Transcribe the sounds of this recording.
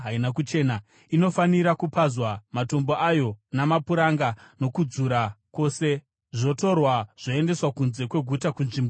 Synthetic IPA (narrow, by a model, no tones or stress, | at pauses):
ɦainakut͡ʃe̞ːna | ino̞faniɾakupazwamato̞mbo̞ʔajo̞namapuɾaŋɡano̞kud͡zuɾako̞ːse̞ | ʐo̞to̞rwaʐ̥o̞e̞nde̞swakunze̞kwe̞ɡʱutakunʐimbo